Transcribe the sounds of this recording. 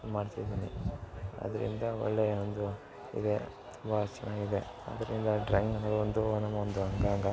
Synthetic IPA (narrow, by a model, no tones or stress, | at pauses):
maːɖt̪id̪iːni | ɐ̰d̪ɐɾḭnd̪ɐɔ̰ɭːeond̪u | ḭd̪e̞ | t̪umbɐt͡ʃːɐnaːɡid̪e | ɐ̰d̪ɐɾind̪ɐɖɾɐŋɡnɐmɐɡuond̪unɐmːɐond̪uɐŋɡaŋɡa